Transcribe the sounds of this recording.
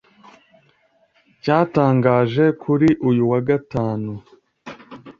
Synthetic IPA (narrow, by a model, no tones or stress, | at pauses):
caːtaːŋɡaːʒe̞kʰuɾiʔujuwaɡataːnu